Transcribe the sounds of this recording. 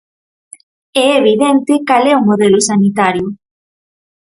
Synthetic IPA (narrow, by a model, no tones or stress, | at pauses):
ɛeβiðɛnt̪ɪkalɛumoðɛlʊsanit̪aɾjʊ